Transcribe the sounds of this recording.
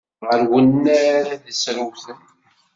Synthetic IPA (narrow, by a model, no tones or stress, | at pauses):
ʁəɾwənːæɾðəsɾuwθən